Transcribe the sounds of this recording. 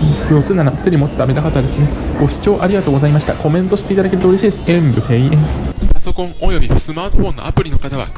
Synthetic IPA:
jo̞ːsɨːnːaɾaɸɯ̥aɾʲimo̞t̪ːe̞t̪amed̪akat̪ːad̪esɨneɡ̥o̞ɕi̥t͡ɕo̞ːʔaɾʲiɡat̪o̞ːɡoaimaɕi̥t̪ako̞mẽ̞nt̪o̞ɕi̥t̪e̞it̪ad̪ake̞ɾɯ̟t̪oɾʲeɕiːd̪e̞sɨ̥ẽmbɯ̟heiẽpaso̞kõŋojobʲisɨmaːt̪oɸõ̞nːo̰apɯ̟ɾʲinokat̪aβa̰

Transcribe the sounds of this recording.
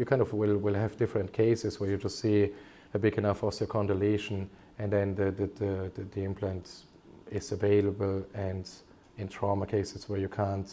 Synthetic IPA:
jɨkʰãɪ̃ndɔvwɪlˠwɪlˠævdɪfɹə̃ntkʰeɪsɪswə˞jɨd͡ʒʌstsi | əbɪɡɨnafɔsəkʰɔ̃ndəleɪʃə̃n | ɨ̃nðɛ̃nðɨððəðiɪ̃mpʰlæ̃nt | ɪzəveɪləbəlˠɨ̃nd | ɪ̃ntʰɹ̥aməkʰeɪsɪswə˞jɨkʰãnt

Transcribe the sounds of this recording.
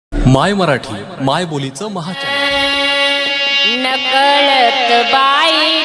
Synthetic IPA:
majməɾaʈʰiː | majbolit͡səməɦat͡ɕa̰ | nəkəɭət̪əbai

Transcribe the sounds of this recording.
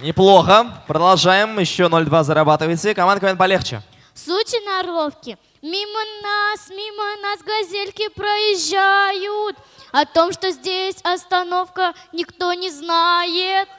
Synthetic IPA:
nʲɪplˠo̞xəpɾəd̪ɐlˠʐajɪmjɪɕːonolʲd̪vazəɾɐbat̪ɨvət͡sʲsʲəkɐmand̪əkəvenpɐlʲext͡ɕɪ̰ | sut͡ɕʲɪnɐɾofkʲɪ | mʲimənasmʲimənasɡɐzʲelʲkʲɪpɾəjɪʑːajʊt̪ɐt̪o̞mʂt̪o̞zʲdʲesʲɐst̪ɐno̞fkənʲɪkt̪o̞nʲɪznajɪt̪̚

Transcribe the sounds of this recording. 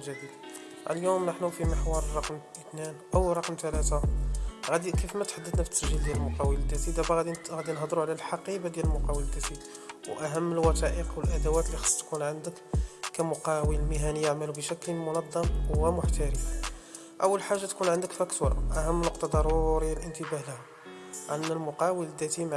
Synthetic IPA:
ʒæd̪id̪ | ʔə̰ljumnəħnufiməħwɑɾˤɑqmʔət̪ninʔəwɾˤɑqmt̪ælæt̪aɣæd̪ikifmæt̪ħad̪ːəd̪næfət̪səʒːəld̪jæləlmʊqɑwəld̪ːæsid̪æfæɣæd̪iɣæd̪inɦd̪ˤɾuʕlælħɑqibad̪jæləlmʊqɑwələd̪ːæsid̪ | wʔæɦəmːəlwɑt̪ɑʔəqwəlʔæd̪æwæt̪lixɑ̥sˤt̪kunʕənd̪əkːæmʊqɑwəlmɪɦænəjːaʕmælubəʃæklmʊnɑd̪ˤːɑmwæmʊħt̪æɾi | ʔəwːəlħaʒːat̪kunʕənd̪əkfækt̪uɾˤʔæhəmːnʊqt̪ɑd̪ɑɾˤuɾjːælʔənt̪əbæhlhæ | ʕanːælmʊqɑwələd̪ːæt̪imaʕ

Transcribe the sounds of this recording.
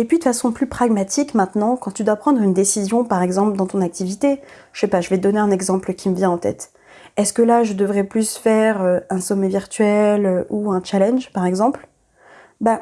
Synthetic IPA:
epɥid̪əfasɔ̃plypχaɡmat̪ikmɛ̃t̪nɑ̃kɑ̃t̪yd̪wapχɑ̃d̪ʁynd̪esizjɔ̃paʁɛɡzɑ̃pld̪ɑ̃t̪ɔ̃nak̚t̪ivit̪e | ʃepaʒəvɛd̪ɔneɛ̃nɛɡzɑ̃plkʲiməvjɛ̃ɑ̃t̪ɛ̰t̪ | ɛskəlaʒəd̪əvʁɛplysfɛʁøɛ̃sɔmɛviʁt̪ɥɛløuɛ̃t͡ʃalɛnʒpaʁɛɡzɑ̃pl | ba

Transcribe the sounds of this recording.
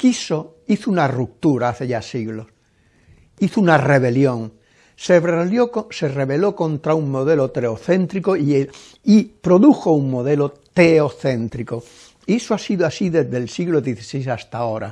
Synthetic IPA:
kiso | iθounaruk̚t̪uɾaaθe̞ʝasiɣlo̞s | iθounare̞β̞e̞ljõŋ | seβeljosereβe̞lo̞kõnt̪ɾauŋmo̞ð̞elot̪ɾeoθẽ̞nt̪ɾikoie | ipɾoðuxo̞uŋmoðelot̪eoθẽ̞nt̪ɾiko | isoasiðoasiðezðelsiɣloðjeθi̥sejsast̪ao̞ɾa̰

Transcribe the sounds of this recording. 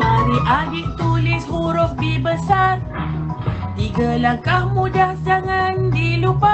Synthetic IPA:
aɾiʔalɪʔ̚t̪ulɪshuɾɔk̚bibəsar | t̪iɡalahkahmudahsaŋandilupa

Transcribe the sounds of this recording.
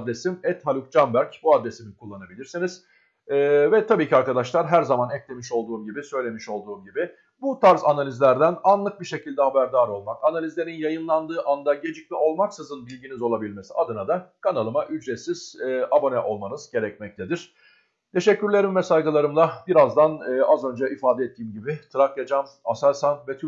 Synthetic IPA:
d̪ɾesimɛt̪halʲˠuk̚d͡ʒanbæɾcbuad̪ɾesimikʰulˠːanabilʲiɾsiniz̥ | ɛːvɛt̪ʰabiːcʰiaɾkad̪aʃlˠaɾɦæɾzamanɛclʲemiʃo̞lˠd̪uːmɟibisø̞jlʲe̞miʃo̞lˠd̪uːmɟibɪ | but̪ʰaɾzanalʲizlʲæɾd̪ænanlˠɯk̚biʃe̞cʰilʲd̪ɛhabæɾd̪aːɾo̞lˠmakanalʲizlʲe̞ɾinjajɯnlˠand̪ɯːʔand̪aɟe̞d͡ʒic̚miʔo̞lˠmaksɯzɯnbilʲɟinizo̞lˠabilʲme̞siad̪ɯnad̪akʰanalˠɯmaʔyd͡ʒɾet̪siz̥abo̞nɛʔo̞lˠmanɯz̥ɟe̞ɾɛc̚mɛc̚t̪ʰed̪iɾ̥ | t̪ʰe̞ʃɛcːyɾlʲe̞ɾimvɛsajɡɯlˠaɾɯmlˠabiɾazd̪anɯːʔazø̞nd͡ʒɛʔifaːd̪ɛɛt̪ʰːiːmɟibɪt̪ʰɯɾakjad͡ʒamasaɾsanvɛt̪ʰy

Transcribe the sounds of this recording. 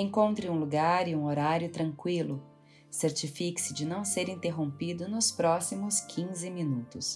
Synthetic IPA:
ẽŋkõnt̪ɾɪũluɡaɾɪũoɾaɾjʊt̪ɾɐ̃ŋkwilʊ | seɾt͡ʃifiksɪd͡ʒɪnɐ̃w̃seɾĩnt̪eɦõpid̪ʊnʊspɾɔsimʊskʰĩzɪmĩnut̪ʊs

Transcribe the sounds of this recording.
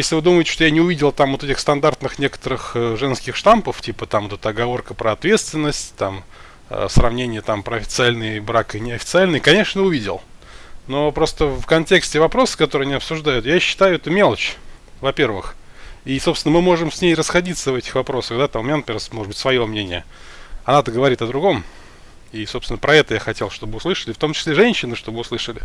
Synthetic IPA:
jesʲlʲɪvɨd̪uməɪtʲɪ̥ʂt̪ojanʲɪʊvʲidʲɪlˠt̪amvot̪ɛtʲɪxst̪ɐnd̪art̪nɨxnʲe̞kə̥t̪əɾɨxʐɛnskʲɪxʂt̪ampəftʲipət̪amvot̪ɛt̪əɐɡɐvo̞rkəpɾəɐt̪vʲet̪st̪vʲɪnːəsʲtʲt̪a̰m̰ | srɐvnʲenʲɪjət̪ampɾəɐfʲɪ̥t̪sɨalʲnɨjbɾakɨnʲɪɐfʲɪ̥t̪sɨalʲnɨjkɐnʲe̞ʂnəʊvʲidʲɪ̰lˠ | no̞pɾo̞st̪əfkɐnʲtʲe̞ksʲtʲɪvɐpɾo̞sɨ̥kɐt̪o̞ɾɨanʲiɐpsʊʐd̪ajʊt̪jaɕːɪ̥t̪ajʊɛt̪əmʲe̞lˠt͡ɕvɐpʲe̞rvɨxisopsʲɪnəmɨmo̞ʐɨmsʲnʲejrəsxɐdʲit̪səvɛtʲɪ̥xvɐpɾo̞səɣd̪at̪ammʲɪnʲanɐpʲɪrsmoʐɨd̪bɨtʲsvɐjo̞mnʲenʲɪjə | ɐnat̪əɡəvɐɾʲit̪əd̪ɾʊɡo̞m | isopst̪ʲɪnəpɾʔɐɛt̪əjaxɐtʲelˠʂt̪o̞bɨʊslˠɨʂəlʲɪft̪o̞mt͡ɕɪ̥sʲlʲeʐɛnʲɕːɪnɨʂt̪o̞bɨʊslˠɨʂəlʲɪ

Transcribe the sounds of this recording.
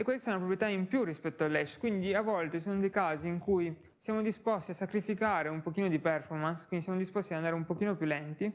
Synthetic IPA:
ekːwest̪aɛnapɾopɾjet̪aimpjurispɛt̪ːoalːɛʃkwind̪iavːɔlt̪esoːnod̪ejkaːziːŋkuj | sjaːmod̪ispɔst̪iasːakɾifikaːɾeumpokiːnod̪ipɛrfɔrmanskwindisjamod̪ispɔst̪iaand̪aɾeumpok̟iːnopjulːɛnt̪i

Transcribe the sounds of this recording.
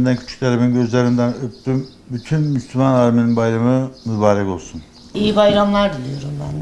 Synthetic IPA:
nd̪æncʰy̥t͡ʃʰy̥ct̪ʰaɾebinɟø̞zlʲæɾind̪ænøp̚t̪ym | byt̪ʰynmyslʲymanaːɾmininbajɾamɯmybaːɾɛko̞lˠsun | ijibajɾamlˠaɾd̪ilʲˠijo̞ɾumbænd̪ɛ

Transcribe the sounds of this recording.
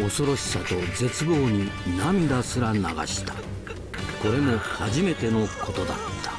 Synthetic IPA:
o̞so̞ɾo̞ɕi̥sat̪o̞d͡ze̞t͡sɨɡo̞ːɲ̟inamʲid̪asɨɾana̰ɡa̰ɕi̥t̪ḁ | ko̞ɾe̞mo̞haʑime̞t̪e̞no̞kʰo̞t̪o̞d̪a̰t̪ːḁ

